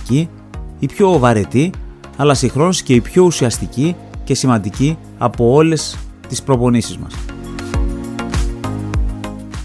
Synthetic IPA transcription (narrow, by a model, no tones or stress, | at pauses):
i | ipço̞vɐɾe̞t̪i | ɐlɐsixɾo̞nosceipço̞usiɐst̪ici | ce̞simɐnd̪ici | ɐpo̞o̞le̞st̪ispɾo̞po̞nisizmɐ̰s